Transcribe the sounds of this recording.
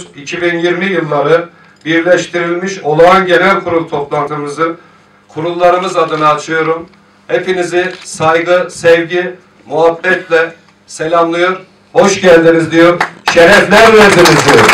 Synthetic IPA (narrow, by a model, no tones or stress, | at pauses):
icʰibinjiɾmijɯlˠːaɾɯ | biɾlʲɛʃt̪ʰiɾilʲmiʃo̞lˠanɟe̞nælʲkʰuɾulˠt̪ʰo̞plˠant̪ʰɯmɯzɯn | kʰuɾulˠːaɾɯmɯzad̪ɯnaːt͡ʃʰɯjo̞ɾum | hepinizisajɡɯsɛvɟi | muɦabːɛt̪lʲɛ | selʲamlˠɯjo̞ɾ | bo̞ʃɟælʲd̪inizd̪ijo̞ɾʃeɾɛflʲæɾvæɾd̪inizd̪ijoɾ